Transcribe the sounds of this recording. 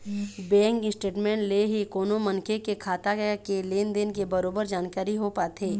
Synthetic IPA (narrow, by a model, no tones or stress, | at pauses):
bɛ̃ːŋkɪsʈeːʈmɛ̃ːɳʈleɦikoːnomɐ̃nkʰekekʰaːt̪akeleːnd̪eːnkebɐɾoːbəɾd͡ʒaːnkaːɾiɦopaːt̪ʰeː